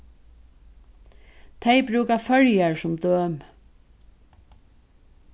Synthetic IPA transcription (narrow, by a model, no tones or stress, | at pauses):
t̪ʰeɪbɾʉːkafœɹjaɹsʊmd̪øːm